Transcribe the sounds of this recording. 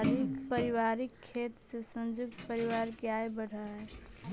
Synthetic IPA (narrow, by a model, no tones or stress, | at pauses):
ɾikpəɾiwaːɾikʰːeːt̪sesə̃nd͡ʒʊk̚t̪pəɾiwaɾkeajbəɽ̤aɦɛ